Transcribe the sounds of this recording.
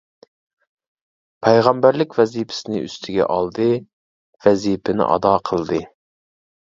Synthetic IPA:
pʰɛjʁɑmbæɾlɪkʲvɛzipʰɪ̥sɪnɪy̰st̪ʰɪɡʲɛ̰ʔɑlˠd̪ɨ | vɛzipʰɪnɪ̰ʔɑ̰d̪ɑːqʰəlˠd̪ɨ

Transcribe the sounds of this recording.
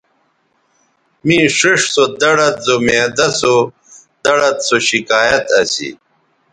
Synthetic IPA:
mĩːʂiʂsod̪ɐɽɐt̪̚zomeːd̪ɐso | d̪ɐɽɐt̪soɕikaːjɐt̪ɐsḭ

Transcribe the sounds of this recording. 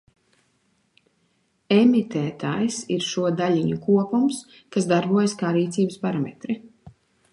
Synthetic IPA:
emit̪ɛːt̪aːjsiɾʃuɔd̪alʲiɲukuɔpums | kasd̪aɾbuɔjskaːɾiːt̪siːbəspaɾamḛt̪ɾi

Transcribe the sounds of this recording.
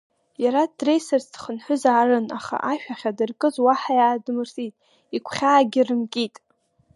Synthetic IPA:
jaɾatʼrejserzdχənħʷʊzaːrɨna̰χa̰ʔaʃᶣaχʲadɨrkʼɨzwaħajaːdmɨrtʼitʼ | ikʷʰχʲaːɡʲɪrɨmkʼitʼ

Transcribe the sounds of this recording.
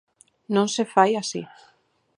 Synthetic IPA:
nõŋsefajasḭ

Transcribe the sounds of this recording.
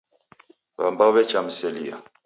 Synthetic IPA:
βa̰mbaβɛt͡ʃam̩sɛlia̰

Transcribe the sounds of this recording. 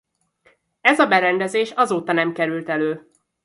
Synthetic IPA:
ɛzɒbɛɾɛnd̪ɛzeːʃɒzoːt̪ɒnɛmkɛɾylt̪ɛløː

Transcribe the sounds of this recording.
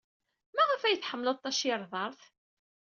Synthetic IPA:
mæʁafæjəθħəmːləðˤt̪ːˤɑʃɪɾˤðˤɑɾˤθ

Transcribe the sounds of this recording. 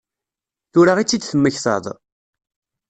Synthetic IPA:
θʊɾaʁit͡sːid̪θəmːəçθə̰ðˤ

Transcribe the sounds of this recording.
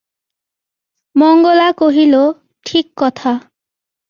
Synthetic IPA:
mɔŋɡɔlakoɦilo | ʈʰikːɔt̪ʰa

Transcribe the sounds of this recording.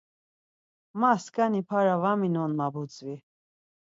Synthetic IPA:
maskʰʼanipʰaɾavaminɔnmabut͡sʼvi

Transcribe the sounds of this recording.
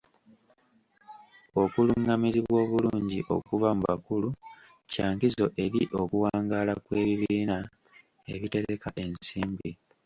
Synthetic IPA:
o̞kuluŋɡamiziβwo̞ːβuluːɲɟiʔo̞̰kuvamuβa̰kulu | caːŋkizo̞ʔe̞ɾiʔo̞kuwaːŋɡaːlakwe̞ːβiβiːna | eβite̞ɾe̞kaʔe̞nsiːmbi

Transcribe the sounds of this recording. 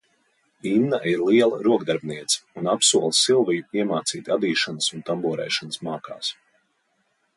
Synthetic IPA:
iːmnaiɾlˠiɛlˠa̰ɾuɔɡd̪aɾbniɛt̪sɐ̥unapsuɔlˠsilˠvijuiɛmaːt̪siːt̪ʲad̪iːʃanəsunt̪ambuɔɾɛ̰jʃanəsmaːka̰ːs

